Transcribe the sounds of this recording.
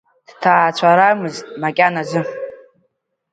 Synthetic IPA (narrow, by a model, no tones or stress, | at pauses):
d̥tʰaːt͡ɕʷʰaɾamɨztʼmakʲʼanazɨ